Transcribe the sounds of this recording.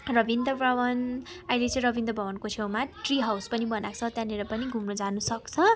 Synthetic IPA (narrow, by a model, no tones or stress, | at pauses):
rʌbʱind̪ʱʌbʱʌwʌnʌilet͡sʌ̃ĩɾʌbʱind̪ʌbʱʌwʌnkot͡sʰewmaʈriɦawspʌnibʌnat͡sʰʌt̪jãneɾʌpʌniɡʱumnod͡zanusʌkt͡sʰʌ